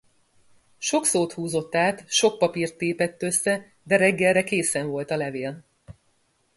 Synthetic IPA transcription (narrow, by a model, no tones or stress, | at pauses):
ʃo̞ksoːt̪huːzo̞t̪ːaːt̪ʃo̞k̚pɒpirt̪ːeːpɛt̪ːø̞sːɛ | d̪ɛɾɛɡːɛlrːɛkeːsɛɱvo̞lt̪ɒlɛveːl